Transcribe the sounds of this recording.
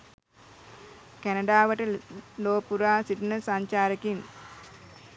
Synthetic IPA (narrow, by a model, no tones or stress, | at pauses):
kænɐɖaːʋəʈəloːpuɾaːsiʈunəsaɲt͡ʃaːɾəkiŋ